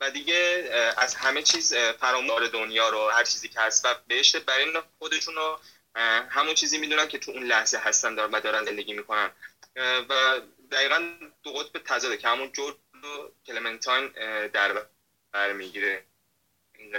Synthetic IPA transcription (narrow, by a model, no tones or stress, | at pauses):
væd̪iɟeæzhæme̞t͡ʃʰiːzfæɾɒːmuɾed̪onjɒːɾohæɾt͡ʃʰiːziːcʰehæst̪væbeheʃt̪ebæɾinxod̪e̞ʃunɾo | hæmunt͡ʃʰiːziːmiːd̪unæncʰet̪ʰuunlæhzeɦæst̪ænd̪ɒːɾvæd̪ɒːɾænzend̪e̞ɟʲiːmiːkʰo̞næn | væ | d̪æiːɣænd̪̥oɣot̪̚ʰbe̞t̪ʰæzɒːd̪ecʰehæmund͡ʒoɾd͡ʒ | lokʰelement̪ʰɒjnd̪æɾb | b̥æɾmiɟiːɾe | i